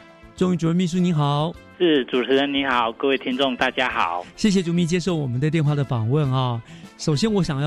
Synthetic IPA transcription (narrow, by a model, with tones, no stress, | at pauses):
ʈ͡ʂŋy˥˩u˨˩ɻə˥˧mi˥˧ʂ̬u˥˩ni˧˥xɑ˨˩˦ʊʂɻ̩˥˩ʈ͡ʂu˨˩ʈ͡ʂʰɻ̩˧˥ɻə˧˥ni˧˥xɑ˨˩˦ʊkə˥˧we˥˩t̪ʰi˥ŋʈ͡ʂʊ˥˧ŋt̪a˥˩t͡ɕja˥xɑ˨˩˦ʊɕjɛ˥˩ɕ̬jɛ˨˩ʈ͡ʂu˧˥mi˥˩t͡ɕjɛ˥ʂo˥˩ʊwɔ˨˩mə˦nd̪ə˧t̪jɛ˥˧nxwa˥˩d̪ə˩fɑ˨˩ŋwə˥˧˨nɑ˥˧˩ʂo˨˩ʊɕ̬jɛ˥nwɔ˧˥ɕjɑ˨˩ŋjɑ˥˧˩